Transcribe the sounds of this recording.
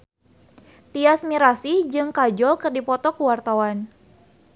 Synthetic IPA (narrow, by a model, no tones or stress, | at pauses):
t̪iasmiɾasid͡ʒɨŋkad͡ʒɔlkɨrdipɔt̪ɔkuwart̪awan